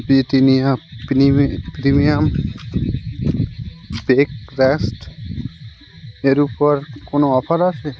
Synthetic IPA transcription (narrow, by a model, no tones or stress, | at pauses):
biʈinijapipɾimijam | bekɾesʈ | eɾupoɾkonoɔpʰaɾat͡ʃʰe